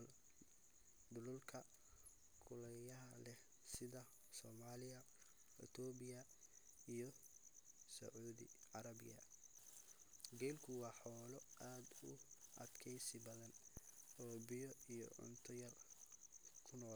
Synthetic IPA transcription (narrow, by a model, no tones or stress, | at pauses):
l | d̪ʊlʊlkʰɐ | kʰʊlɐjɐɦɐlɛ | sɪðɐ | sɔːmaːlɪɐ | ɪ̰t̪ʰɔbɪjɐ | ijɔ | sɐ̰ʕuːðɪ̰ʕɑɾɐbɪ̰jɐ̰ | ɡɛlkʰʊwɑːħɔːlɔaːd̪ʊʔɐd̪̥kʰɛjsɪbɐðɐnɔːbɪjɔijɔ̰ʕʊ̰nt̪ʰɔjɐl | kʰʊnɔːl